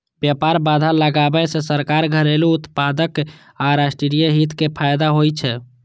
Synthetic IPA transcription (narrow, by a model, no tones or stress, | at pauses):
bjapaɾbad̪ʱaləɡabɛsesəɾkaɾɡʱəɾeluut̪pad̪ək | aɾasʈɾiɾijəɦit̪kepʰajd̪aɦojt͡ʃʰɛ